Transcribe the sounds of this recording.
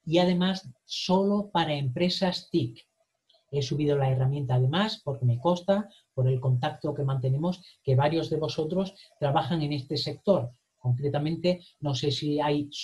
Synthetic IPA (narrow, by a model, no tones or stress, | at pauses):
iað̞e̞masso̞lo̞paɾae̞mpɾe̞sast̪ik | e̞suβ̞ið̞o̞lae̞ramjẽ̞nt̪aːð̞e̞maspo̞ɾke̞me̞ko̞st̪a | po̞ɾe̞lko̞nt̪ak̚t̪o̞ke̞mãnt̪e̞nẽ̞mo̞ske̞βaɾjo̞zðe̞βo̞so̞t̪ɾo̞st̪ɾaβaxaŋe̞ne̞st̪e̞se̞k̚t̪o̞ɾ | ko̞ŋkɾe̞t̪amẽ̞nt̪e̞no̞se̞siaj